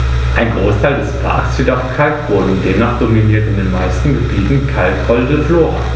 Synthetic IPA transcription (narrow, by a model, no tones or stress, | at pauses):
ʔaɪnɡʁoːstʰaɪldɛspʰa̰ɐksd̥idɛkʰaɪkv̥ʊɐdn̩deːmnaːχd̥ominiːɐtɪndeːnmaɪstn̩ɡəbiːtn̩kʰalkhɔldəfloːɐ̰